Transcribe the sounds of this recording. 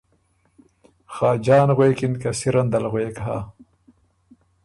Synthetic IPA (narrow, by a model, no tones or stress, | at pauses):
xaːd͡ʑaːnɣweːkinkɐsiɾɐnd̪ɐlɣweːkɦa̰ː